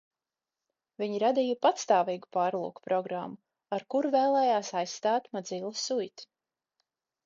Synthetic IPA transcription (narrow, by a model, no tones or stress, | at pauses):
vʲiɲiɾad̪ijapat̪st̪aːviːɡu̥paːɾlˠṵːkpɾɔɡɾamːu | aɾkuɾvɛːlˠɛːjaːsajsːt̪aːt̪mad̪zilˠasujt̪